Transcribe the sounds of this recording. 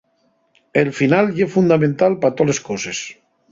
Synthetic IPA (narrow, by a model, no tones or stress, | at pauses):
elfinaljefund̪amẽnt̪alpat̪oleskoses